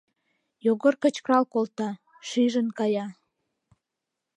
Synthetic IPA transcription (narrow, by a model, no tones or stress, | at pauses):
joɣərkət͡ɕkrɑlkolt̪ɑ | ʃyʒənkɑjɑ